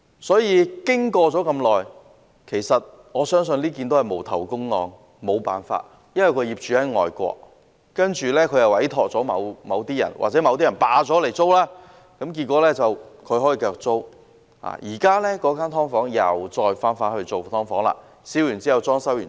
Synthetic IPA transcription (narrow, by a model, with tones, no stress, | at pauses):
sɔː˨˥jiː˨˧kɪ˥ŋkɔː˧t͡sɔː˨˥kɐ˧mlɔː˨j | kʰe˨˩jsɐ˨t̚ | ŋɔː˨˧sœː˥ŋsnliː˥kiː˧nt̪o˥whɐ˨˩jmo˨˩wt̪ʰɐ˨˩wkʊ˥ŋŋɔ̰ː˧ŋ | mo˨˧wpa̰ː˨nfa̰ː˧t̚ | jɐ˥nwɐ˨˩jkʰɵ˨˧ɥjiː˨p̚t͡ʃyː˨˥hɐ˨˥jŋɔ̰ː˨jkʷɔ̰ː˧k̚ | kɐ˥nt͡ʃyː˨˧lɛː˥kʰɵ˨˧ɥjɐ˨wɐ˨˥jt̪ʰɔː˨k̚t͡sɔː˨˥mɐ̰˨˧wmɐ˨˧wt̪iː˥jɐ̰˨˩nwa̰˨t͡sɛ˨˥mɐ˨˧wt̪iː˥jɐ˨˩npaː˨˧t͡sɔː˨˥le˨˩jt͡so˥wlaː˥ | kɐ˨˥mk̬i˧t̚kʷːɔː˨˥lɛː˥t͡sɐ˨wkʰɵ˨˧ɥhɦɔː˨˥jiː˨˧˩kœː˧k̚t͡so˥w | ha̰ː˨˩jḭː˨˩kaː˥lɛː˥kɔː˨˥kaː˥nt̪ʰɔː˥ŋfɔː˨˥ŋjɐ̰˨wt͡ʃɔː˧jfaː˥nfaː˧t̚hɵ˧ɥt͡so˨wt̪ʰɔː˥ŋfɔː˨˥ŋla̰ː˧ | siː˨˥wjyː˨˩nt͡siː˥hɐ˨wt͡sɔː˥ŋsɐ˥wjyː˨˩